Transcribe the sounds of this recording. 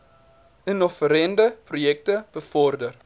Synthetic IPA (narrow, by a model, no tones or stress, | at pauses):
ənɔfəɾɛndəprujɛk̚təb̥əfɔrdər